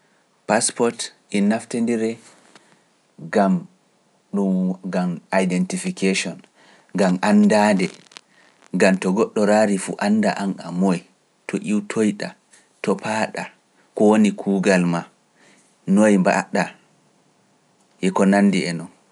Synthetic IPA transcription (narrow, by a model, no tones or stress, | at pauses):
paspɔɾtʔinːaftendiɾɛ | ɡam | ɗumɡamajdɛntifikʰeʃɔn | ɡamʔandadɛ | ɡamtɔɡɔɗːɔɾaɾifṵʔanːda̰ʔana̰moj | tʰɔʔiwtʰojɗa | tɔpʰaɗa | kɔwonikʰuːɡalma | nojmba̰ɗa | ʔɛkɔnanːdiɛnɔn